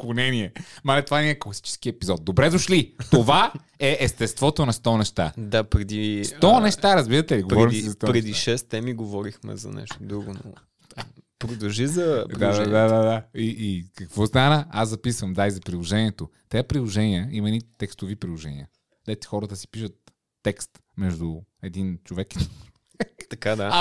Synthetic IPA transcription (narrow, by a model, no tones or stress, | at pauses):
konɛniɛmalɛt̪ovaɛniɛklˠɐsi̥t͡ʃɛ̥sk̟iɛpizɔt̪̚d̪obɾɛd̪oʃlit̪ova | ɛʔɛst̪ɛst̪vɔt̪onɐst̪ɔnɛʃt̪a̰d̪apɾɛd̪issɔnɛʃt̪aɾɐzbiɾɐt̪ɛliɡopɾɔɛɾimsizɐst̪ɔpɾɛd̪iʃɛst̪ɛmiɡovɔɾixmɛ̰zɐ̰nɛ̰ʃt̪od̪ɾuɡono̰ | pɾod̪ɐlʒizɐdɾiad̪ad̪ad̪ad̪aiʔːkɐkvɔst̪anəaszɐpisvəmd̪aizɐpɾilˠoʒɛniɛt̪ot̪ɛapɾilˠoʒɛniəimɐnit̪ɛkst̪ovipɾilˠoʒɛnḭə | d̪ɛt̪i̥xɔɾət̪əsi̥piʃət̪ː | ɛkst̪ | mɛʒd̪ʊɛd̪int͡ʃovɛk | ɛkt̪ɐkad̪a